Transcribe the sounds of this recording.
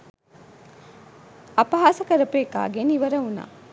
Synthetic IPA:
ɐpɐɦaːsɐkɐɾɐpeːka̰ːɡeniʋɐɾɐuna̰ː

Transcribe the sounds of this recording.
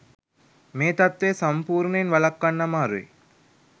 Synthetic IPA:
meːt̪ɐt̪ʋeːsɐmpuːɾɳɐinʋɐlɐkːɐnːɐmaːɾuḛ

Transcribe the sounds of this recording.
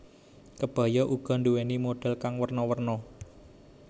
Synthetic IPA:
kəb̥a̤jɔʔuɡ̥ɔ̤nduwenimoɖ̥ɛ̤lkaŋwərnɔwərnɔ

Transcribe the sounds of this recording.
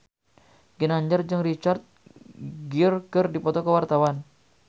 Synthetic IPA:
ɡinaɲd͡ʒard͡ʒəŋrit͡ʃart̪̚ | ɡirkərdipɔt̪ɔkəwart̪awan

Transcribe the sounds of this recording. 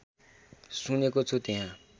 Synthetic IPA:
sunekot͡sʰot̪eɦã

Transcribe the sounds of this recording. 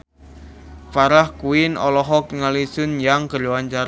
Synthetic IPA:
paɾahkuɪnɔlɔɦɔkŋalisʊnjaŋkərluwant͡ʃaɾ

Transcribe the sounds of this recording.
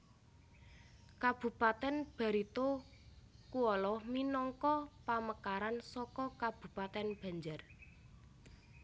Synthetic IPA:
kab̥ṳpat̪ɛnb̥a̤ɾit̪o | kuɔlɔminɔŋkɔpaməkaɾansɔkɔkab̥ṳpat̪ɛnb̥ä̤ɲd͡ʒər

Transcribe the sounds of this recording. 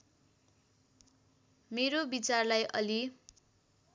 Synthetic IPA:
meɾobit͡sarlajʔʌ̰li

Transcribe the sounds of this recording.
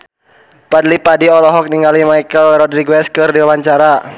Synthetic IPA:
padlipadiɔlɔɦɔk̚niŋɡalimajkəlɾɔdɾiɡwɛskərdiawaɲt͡ʃaɾa

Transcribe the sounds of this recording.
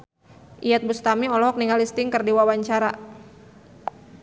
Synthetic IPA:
ʔiat̪̚bust̪amiɔlɔɦɔk̚niŋalist̪ɪŋkərdiwawaɲt͡ʃaɾa

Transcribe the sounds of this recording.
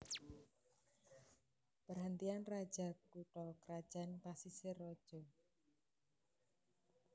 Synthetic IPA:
pərɦənt̪ianrad̥ʒ̥a̤kuʈɔkɾad̥ʒ̥a̤npasiserɔd̥ʒ̥ɔ

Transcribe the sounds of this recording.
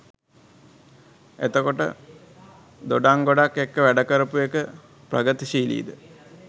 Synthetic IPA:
et̪əkoʈə̰ | d̪oɖaŋɡoɖakːekːəʋæɖəkəɾəpujekə | prə̰ɡət̪iʃiːlḭːd̪ə

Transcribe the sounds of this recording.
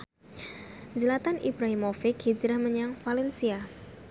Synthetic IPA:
zəlat̪anʔibɾaɦimofɪkhid͡ʒɾahməɲaŋfalɛnsia

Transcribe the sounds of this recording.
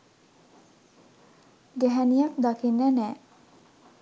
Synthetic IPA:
ɡæɦænijakd̪akinːænɛː

